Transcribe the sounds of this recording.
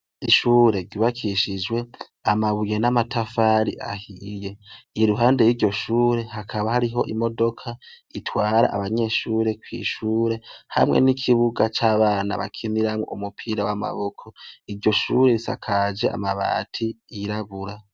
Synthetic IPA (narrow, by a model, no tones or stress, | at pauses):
iʃuːɾe̞ɟiβakʰiʃid͡ʒwe̞ | amaβuje̞namatʰafaːɾiʔa̰hije̞iɾuɦaːnde̞jiɾɟo̞ʃuːɾe̞hakʰaβahaɾiɦo̞̰ʔimo̞do̞kʰa | itʰwaːɾa̰ʔaβaɲe̞ʃuːɾe̞kwḭʃuːɾe̞ha̰mŋḛnikʰiβuɡat͡ʃaːβaːna̰βa̰kʰiniɾamwḛumupʰiːɾawama̰βo̞kʰo̞iɾɟo̞ʃuːɾe̞ɾisa̰kʰad͡ʒe̞ʔa̰maβa̰tʰiːɾaβuɾa